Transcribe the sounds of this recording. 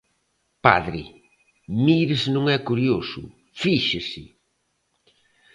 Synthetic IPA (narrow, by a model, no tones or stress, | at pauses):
pa̰ðɾɪ | miɾɪsnõŋɛkuɾjosʊ̰ | fiʃɪsɪ